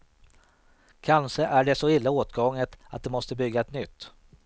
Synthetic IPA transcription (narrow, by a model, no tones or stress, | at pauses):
kʰanʂəʔæɖɛsɔɪlːaoːt̪ɡɔŋːət̪at̪̚d̪ɛmɔst̪əbʏɡːaɛt̪nʏt̪ː